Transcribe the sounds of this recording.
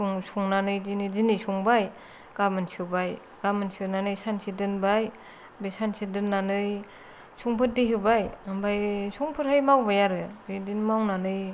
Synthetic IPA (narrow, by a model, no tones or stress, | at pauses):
suŋsuŋnanɯjzinizinisuŋbaj | ɡ̥amɯnsɯbaj | ɡ̥amɯnsɯnanɯjsansidɯnbaj | besansidɯnːanɯj | suŋpʰɯt̚diɦɯbajambajsuŋpʰɯɾhɯjmawbajaɾɯbedinmawnanɯj